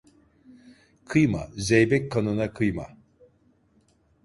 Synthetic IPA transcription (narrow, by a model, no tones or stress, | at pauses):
kʰɯjma̰zejbɛc̚kʰːanɯnakʰɯjma̰